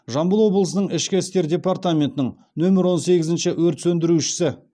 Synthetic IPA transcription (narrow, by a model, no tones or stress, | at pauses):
ʒɑmbəlˠwo̞blˠəsənəɴɪʃkʲɪɪst̪e̞ɾd̪ʲe̞paɾt̪amʲe̞nt̪ənəɴ | nɵmɪɾwo̞nse̞ɡʲɪzɪnʃɪwɵɾt̪sɵnd̪ɪɾuʃɪ̥sɪ